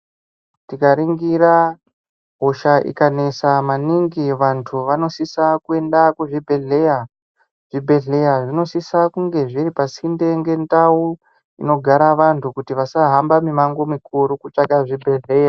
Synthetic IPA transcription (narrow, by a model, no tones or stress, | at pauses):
tikaɾiŋɡiɾa | ɦoʃaʔḭkane̞samaniŋɡiʋantʰuʋano̞sisakue̞ndakuʐibʱe̞ɮe̞ja | ʐ̥ibʱe̞ɮe̞jaʐino̞sisakuŋɡe̞ʐiɾipasinde̞ŋɡe̞ndau | ḭno̞ɡʱaɾaʋantʰukutiʋasaɦambamimaŋɡo̞mikuɾukut͡ʂaɡaʐibʱe̞ɮe̞ːja